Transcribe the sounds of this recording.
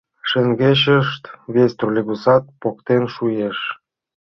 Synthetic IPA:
ʃĕŋɡeɕəʃt̪βest̪rulʲeɣusɑt̪̚pokt̪enʃujeʃ

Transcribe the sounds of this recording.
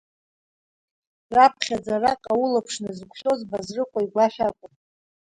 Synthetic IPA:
rapʰχʲad͡zarakʼaulapʰʂnɨzɡʷʰʃo̞zbazrɨqʷʼaiɡʷaʃʲʷᶣakʷʼʊn

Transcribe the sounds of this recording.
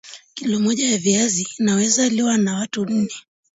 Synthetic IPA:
kilɔmɔʄajaviazinawɛzaliwanawatunn̩nɛ

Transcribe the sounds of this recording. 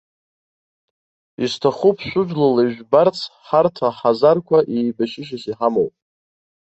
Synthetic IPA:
istʰaχupʰʃʷᶣʊʒᶣlaleʒᶣbart͡sʰħartʰaħazarkʷʰaʔejbaʃɪʃ̬asiħamowpʼ

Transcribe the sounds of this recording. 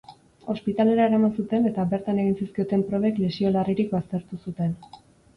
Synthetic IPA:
o̞spit̪ale̞ɾaeɾamansut̪e̞ne̞t̪abe̞ɾt̪ane̞ɣ̞insiskiot̪e̞mpɾo̞βe̞kle̞sio̞lariɾikbast̪e̞ɾt̪usut̪e̞n

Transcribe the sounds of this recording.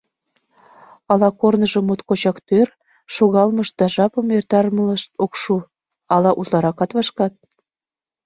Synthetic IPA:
ɑlɑkornəʒə̆mut̪kot͡ɕɑkt̪ør | ʃoɣɑlməʃ̚d̪̥ɑʒɑpəmert̪ɑɾmələʃt̪okʃu | ɑlɑʔuzlɑɾɑkɑt̪βɑʃkɑt̪̚

